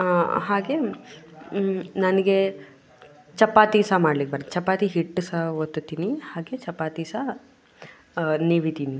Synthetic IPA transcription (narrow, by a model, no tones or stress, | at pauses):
ɦaːɡe | nɐnɐɡe | t͡ʃɐpːaːt̪isamaːɖlikːebɐɾt͡ʃɐpːaːt̪iɦiʈːusaʋot̪ːut̪ːiːnihaːɡet͡ʃɐpːaːt̪iːsa | niʋit̪iːni